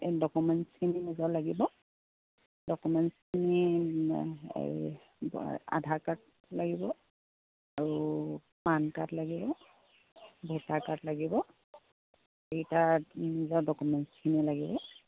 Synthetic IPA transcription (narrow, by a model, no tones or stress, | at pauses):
dɔkumɛntskʰininizɔlaɡibɔ | dɔkumɛnskʰini | ba̰dʱaɹkat̚ | laɡibɔ | aɹu | pankatlaɡibɔ | bʱutakatlaɡibɔ | etanizɔdɔkumɛntskʰinilaɡibɔ